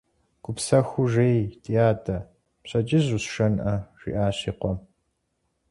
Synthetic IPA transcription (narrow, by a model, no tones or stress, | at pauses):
ɡʷʼʊpsɐxʊʒeːjtʰʼijaːtʰʼɐ | pɕʼɐt͡ʃʼɪʑuɕʂɐnʔɐʒ̥ḭʔaːɕiːqʷɔm